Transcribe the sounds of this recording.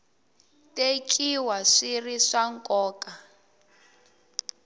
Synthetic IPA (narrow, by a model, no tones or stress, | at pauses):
tʼekʰʼiwaʂiriʂaŋkʼɔːkʼa